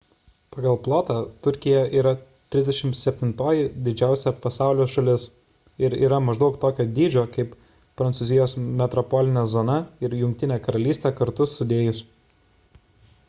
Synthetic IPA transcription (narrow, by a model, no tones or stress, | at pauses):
pɑːɡɐlˠplˠoːt̪ɑt̪ʊɾʲkʲɪjɛʔiːɾɐ | t̪ʲɾʲɪzd̪ʲɛʃʲɪmt̪sʲɛpʲt̪ʲɪnt̪oːjɪd̪ʲɪd͡ʒʲæˑʊsʲɛpɐsɑˑʊlʲoːsʃɐlʲɪs | ɪɾḭːɾɐmɐʒd̪ɐʊkt̪oːkʲoːd̪ʲiːd͡ʒʲoːkɐɪp | pɾɐnsʊzʲɪjoːsmʲɛt̪ɾɔpɔːlʲɪnʲɛːzɔːnɐɪɾjʊŋʲk̚t̪ʲɪnʲeːkɐɾɐlʲiːst̪ʲeːkɐɾt̪ʊsʊd̪ʲeːjʊs